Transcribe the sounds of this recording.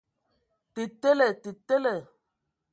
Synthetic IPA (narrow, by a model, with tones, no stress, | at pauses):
te˨te˦le˨te˨te˦lɛ˨